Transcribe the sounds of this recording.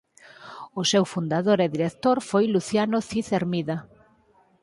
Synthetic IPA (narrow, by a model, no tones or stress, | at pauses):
ʊsewfund̪aðoɾɛðiɾekt̪oɾfojluθjanʊθiθeɾmiða